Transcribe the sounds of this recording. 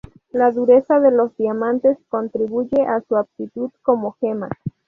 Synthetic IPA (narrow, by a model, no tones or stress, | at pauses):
laðuɾe̞saðelozd̪iamant̪esko̞nt̪ɾiβuʝeʔasuap̚t̪it̪uðkomoxema